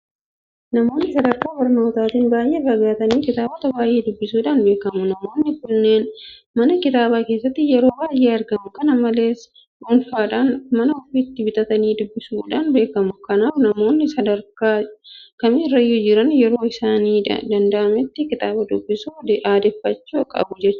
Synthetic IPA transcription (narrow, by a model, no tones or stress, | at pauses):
nɐmo̞ːnːɪsɐd̪ɐɾkaːbɐɾno̞ːt̪aːt̪iːnbaːjʔeːrːɐɡaːt̪ɐniːkɪt̪aːbɐt̪ɐbaːjʔe̞ːd̪ʊbːɪsuːᶑaːnbe̞ːkɐmʊnɐmo̞ːnːɪkʊnːe̞ːn | mɐnɐkɪt̪aːbaːke̞ːsːɐt̪ːɪjɛɾo̞ːbaːje̞ːɐɾɡɐmʊkɐnɐmɐle̞ːs | ʔʊnfaːᶑaːnmɐnɐɔfiːt̪ːɪbɪt̪ʼɐt̪ɐniːd̪ʊbːɪsuːᶑaːnbe̞ːkɐmʊkɐnaːfnɐmo̞ːnːɪsɐd̪ɐɾkaːkɐmɪrːɐjʊd͡ʒɪɾɐnjɛɾo̞ːɪsaːniːd̪ɐnd̪ɐʔɐmɛt̪ːɪkɪt̪aːbɐd̪ʊbːɪsud̪ʔaːd̪ɛfːɐt͡ʃːuːɐkʼɐ̰bʊd͡ʒɛt͡ʃːʊ̥